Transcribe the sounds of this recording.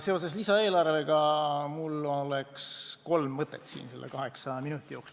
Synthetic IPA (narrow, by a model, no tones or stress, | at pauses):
se̞ose̞slisɑe̞ːlɑrve̞ɡ̥ɑmulːole̞ksko̞lmːɤt̪ːˑet̪ːsḭːnse̞lːʔḛkɑɦe̞ksɑminut̪ːˑijo̞ːks